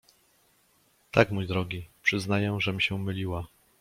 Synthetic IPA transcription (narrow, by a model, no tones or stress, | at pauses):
t̪akmujd̪ɾɔɡʲipʂɘznajɛʐɛmʲɕɛ̃mɘlʲiwa